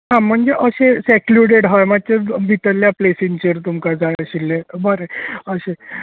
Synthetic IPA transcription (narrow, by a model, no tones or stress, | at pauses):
ɦãm̤əɳd͡zeʔəɕesɛkluɽeɽɦajmad̪̚t̪ebʱit̪əlːjaplesint͡ɕeɾt̪umkad͡zʱaɭəɕilːebəɾeəɕe